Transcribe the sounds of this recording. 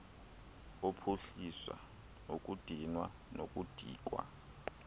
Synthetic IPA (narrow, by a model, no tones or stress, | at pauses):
opʰuɬiswa̰ | nokʼud̥ʱinwa | nokʼud̥ʱḭːk̬ʼwa̰